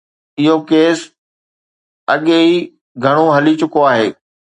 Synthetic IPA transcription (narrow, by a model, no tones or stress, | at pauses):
ɪɦokeːs | ɐɠeɦi | ɡʱɐɽ̃oɦɐlit͡ɕʊkoaːɦeː